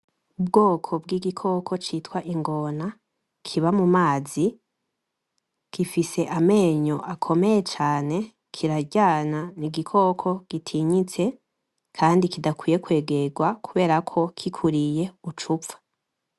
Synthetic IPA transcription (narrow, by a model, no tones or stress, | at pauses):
ub̚ɡo̞ːkʰo̞b̚ɡiːɡikʰo̞kʰo̞t͡ʃiːtwaʔiŋɡo̞na | kʰiβamumaːzi | kifise̞ʔame̞ːɲo̞ʔakʰo̞me̞je̞t͡ʃaːne̞ | kʰiɾaɟaːnaniɡikʰo̞ːkʰo̞ɡ̥itʰiɲit͡se̞ | kʰaːndikidakwiːje̞kwe̞ːɡe̞ɡwakʰuβe̞ːɾakʰo̞kʰikʰuɾije̞ut͡ʃup̪fḁ